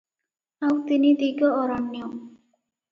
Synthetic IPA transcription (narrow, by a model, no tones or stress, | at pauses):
awt̪inid̪iɡɔːɾanːjɔ